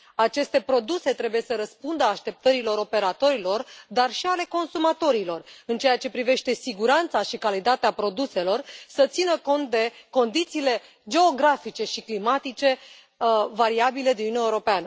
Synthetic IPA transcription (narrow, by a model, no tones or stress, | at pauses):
at͡ʃe̞st̪e̞pɾo̞d̪use̞t̪ɾe̞buje̞səɾəspund̪əaʃt̪e̞p̚t̪əɾilo̞ɾo̞pe̞ɾat̪o̞ɾilo̞rd̪arʃiale̞ko̞nsumat̪o̞ɾilo̞rɨnt͡ʃe̞jat͡ʃe̞pɾive̞ʃt̪e̞siɡuɾant̪saʃikalit̪at̪eapɾo̞d̪use̞lo̞rsət̪sinəko̞nt̪̚d̪e̞ko̞nd̪it̪siːle̞ | d͡ʒe̞oɡɾafit͡ʃe̞ʃiklimat̪it͡ʃe̞ | vaɾiabile̞d̪inneuɾo̞peanə